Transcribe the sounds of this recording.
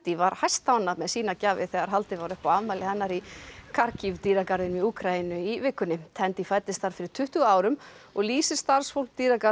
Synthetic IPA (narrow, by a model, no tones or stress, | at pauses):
t̪ivaɾ̥hajst̪awnaðmɛðsiːnacaːvɪ̰θɛɣaɾ̥ɦalt̪ɪvaɾʏhpaavmajlɪhɛnːaɾikʰaɾcivt̪iːɾakaɾvɪnmiuːkʰɾainʏivɪkːʏnːɪt̪ʰɛnt̪ifajt̪ɪst̪aɾ̥fɪɾɪɾ̥t̪ʰʏht̪ʏɣaːwɾʏm | ɔɣliːsɪst̪aɾ̥sfowlkt̪iːɾaka